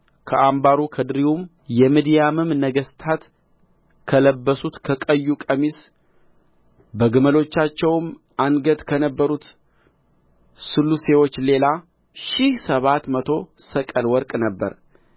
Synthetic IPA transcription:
kʰəʔambaɾukʰəd̪ɨɾiwum | jɛmid̪ijamɨmnəɡəst̪ʰat̪ | kʰələbːəsut̪kʰəkʼəjːukʼəmis | bəɡəməlo̞t͡ʃːat͡ʃːɛwm | ʔanɡəd̪kʰənəbːəɾut̪ | sɨlːuse̞wo̞t͡ʃːle̞la | ʃihsəβat̪mət̪ʰo̞səkʼəlwɔɾkʼnəbːə̰ɾ

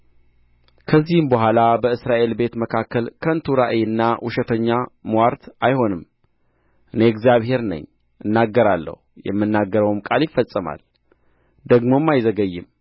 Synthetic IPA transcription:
kʰəzːihɨmbəɦʷalabəɨsɾaʔe̞lbe̞t̪məkʰakʰːəlkʰənt̪ʰuɾaʔəjɨnːawʔʊʃɛt̪ʰəɲːamwaɾt̪ajho̞nɨm | ʔɨneɛɡzijaβhe̞ɾnə̰ɲː | ʔɨnːaɡːəɾalːə̰hujɛ̰mːɨnːaɡːəɾəwmkʼaljɪfːəsʼəma̰l | d̪əɡmo̞mːajzəɡəjːɨm

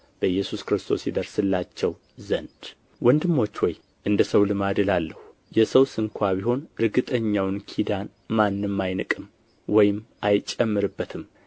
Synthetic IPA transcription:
b̥əjːɛsuskɾɨst̪ʰo̞̰sjid̪əɾsɨlːat͡ʃːɛw | zənd̪̥ | wɔnd̪ɨmːo̞t͡ʃːwɔj | ʔɨnd̪əsəwlɨmad̪ɨlalːəhu | jɛsəwsɨŋkʰʷaβiɦo̞nɾɨɡɨt̪ʼəɲːawnkʰid̪an | manːɨmːajnɨkʼɨm | wɔjɪmʔajt͡ʃʼɛmːɨɾɨbːət̪ʰɨm

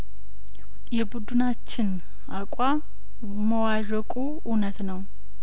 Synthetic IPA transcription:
jɛbud̪unat͡ʃːɪn | akʼa | məwaʒəkʼu | ʔunət̪nəw

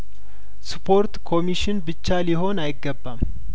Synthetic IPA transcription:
spʰo̞ɾt̪kʰo̞miʃɪnbɨt͡ʃːaliɦo̞najɪɡːəbːam

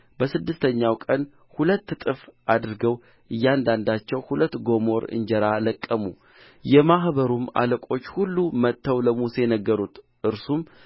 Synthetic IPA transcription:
bəsɨd̪ːɨst̪ʰəɲːawkʼən | hulət̪ːt̪ʼɨfad̪ɾɡəw | ʔɨjːand̪and̪at͡ʃːɛwhulət̪ːɡo̞mo̞ɾɨ̰ɲd͡ʒɛɾaləkʼːəmṵ | jɛmahbəɾuma̰ləkʷʼo̞t͡ʃːhulːumət̪ʰːəwləmuse̞jɛnəɡːəɾut̪ | ʔɨɾsum

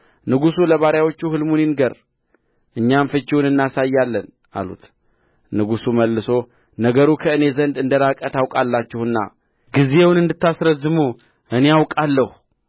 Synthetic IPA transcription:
nɨɡusuləβaɾjawo̞t͡ʃːuhɨlmuninɡəɾ | ʔɨɲːamfɨt͡ʃːiwunɨnːasajːalːən | a̰lṵt̪ | nɨɡusuməlːɨso̞ | nəɡəɾukʰəɨne̞zənd̪ɨnd̪əɾakʼət̪awkʼalːat͡ʃːɪhɨnːa̰ | ɡize̞wnɨnd̪ɨt̪ːasɾəzːɨmu | ʔɨnejawkʼalːəhu

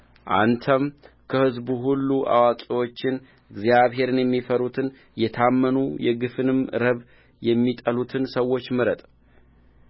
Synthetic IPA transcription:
ʔa̰nt̪ʰəm | kʰəhɨzbuɦulːuʔa̰wakʼiwo̞t͡ʃːɪn | ɨɡzjaβɦe̞ɾɨnjɛmːifəɾut̪ʰɨn | jɛt̪ʰamːənujɛɡɨfɨnɨmɾəβ | jɛmːit̪ʼəlut̪ʰɨnsəwːo̞t͡ʃːmɨɾət̪ʼ

